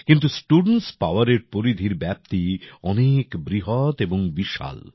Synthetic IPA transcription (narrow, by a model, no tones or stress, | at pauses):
kint̪usʈuɖnʈspaoaɾeɾpoɾid̪ʱiɾbɛp̚t̪iɔnekbɾiɦot̪eboŋbiʃa̰l